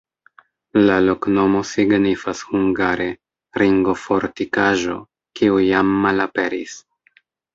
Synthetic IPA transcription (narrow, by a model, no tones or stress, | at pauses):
lalo̞kno̞mo̞siɡnifashuŋɡaɾe̞ | ɾiŋɡo̞fo̞ɾtikaʒo̞ | kiujamːalape̞ɾis